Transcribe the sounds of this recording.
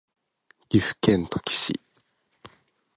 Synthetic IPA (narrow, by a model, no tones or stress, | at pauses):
ɡ̥ʲisɨ̥kẽ̞nt̪o̥kʲi̥ɕḭ